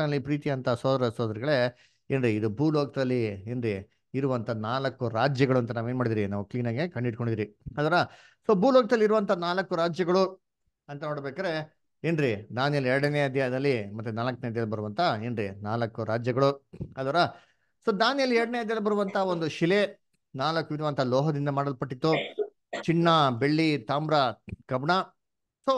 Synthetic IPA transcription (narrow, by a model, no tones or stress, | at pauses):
nɐlːipɾiːt̪iɐnt̪ʰɐsoːd̪ɐɾɐsoːd̪ɐɾiɡɐɭe̞ | eːnɾiid̪ubuːloːɡ̚t̪ɐlːieːnɾiː | ɾuʋɐnt̪ʰɐnaːlɐkːuɾaːd͡ʒjɐɡɐɭuɐnt̪ɐnaːʋeːnmaːɽid̪iːɾinaːʋukliːnaːɡekɐɳɖiʈko̞ɳɖid̪iːɾiɐd̪ʋaːɾɐ | soːbuːloːɡɐt̪ɐlːiɾuʋɐnt̪ʰɐnaːlɐkːuɾaːd͡ʒjɐɡɐɭu | ɐnt̪ɐnoːɽbeːkaːɾe̞ | eːnɾid̪aːnijɐliɛɾɐɽɐneːɐd̪jad̪ɐlːimɐt̪ːunaːlɐkːɐneɐd̪jaːɐbɐɾuʋɐnt̪ʰɐeːnɾḭnaːlɐkːuɾaːd͡ʒjɐɡɐɭuɐd̪ʋaːɾɐ | soːd̪aːnijɐlːiɛɾɐɽɐneːɐd̪jɐːlɐbɐɾuʋɐnt̪ʰaond̪uʃile | naːlɐkːuʋiɾuʋɐnt̪ʰɐlɔːɦɐd̪ind̪ɐmaːɽɐlpɐʈːit̪ːu | t͡ʃiɳːɐbe̞ɭːit̪aːmbɾakɐbɳa | so